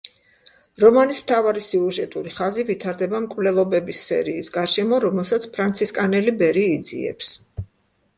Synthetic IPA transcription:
ɾɔmanismt̪ʰavaɾisiuʒɛt̪ʼuɾiχazivit̪ʰaɾd̪ɛbamkʼvlɛlˠɔbɛbisːɛ̰ɾiːsɡaɾʃɛmɔɾɔmɛlˠsat̪sʰpʰɾant̪sʰiskʼanɛlibɛɾiːd̪zḭɛ̰ps

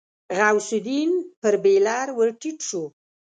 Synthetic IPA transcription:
ɣawsʊd̪inpəɾbelɑɾwəɾʈiʈʂu

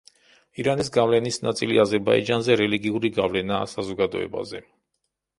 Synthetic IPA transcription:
iɾanisɡavlɛnisna̰t̪sʼilḭazɛɾba̰ḭd͡ʒanzɛɾɛliɡiuɾiɡavlɛna̰ːsazɔɡad̪ɔ̰ɛ̰ba̰zɛ

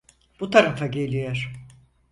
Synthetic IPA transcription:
b̥ut̪ʰaɾafaɟe̞lʲijoɾ̥

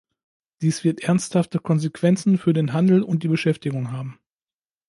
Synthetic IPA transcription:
d̥iːsv̥ɪɐtʔɛɐnsthaftəkʰɔnzekv̥ɛnt͡sn̩fyːɐdeːnɦandl̩ʊnt̚d̥iːbəʃɛftɪɡʊŋɦaːbm̩

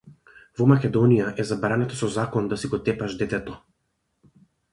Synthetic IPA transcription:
vɔmakʲɛd̪ɔnijaʔɛzabɾanat̪asɔzakɔnd̪asiɡɔt̪ɛpaʒd̪ɛt̪ɛt̪ɔ

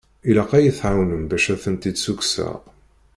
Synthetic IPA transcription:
ilæqæjəθʕawnənbæʃæθənt̪id̪suksə̰ʁ

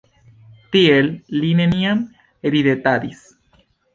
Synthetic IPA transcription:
t̪iellineniam | eɾiðet̪ad̪is

